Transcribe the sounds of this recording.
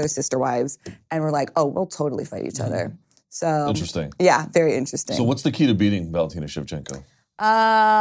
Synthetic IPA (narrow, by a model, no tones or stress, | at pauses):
əsɪstə˞waɪvz̥ɨ̃nwə˞laɪkoʊwḭlˠtʰoʊɾl̩ˠḭfaɪɾḭt͡ʃʌ̰ðə̰˞ | soʊ̃nt͡ʃɹ̥ɨstɪ̰̃ŋjævɛɹiɪ̃nt͡ʃɹ̥ɨstɪsoʊwʌtsðɨkʰiɾɨbiɾɪ̃ŋvælˠtʰĩnɨʃɨ̰v̥t͡ʃʰɛ̰̃ŋkoʊ | ʔʌ